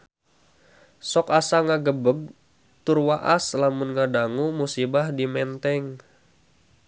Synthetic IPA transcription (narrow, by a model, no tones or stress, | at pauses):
sɔkasaŋaɡəbəɡ̚ | t̪ʊrwaʔaslamunŋadaŋumusibahdimɛnt̪ɛŋ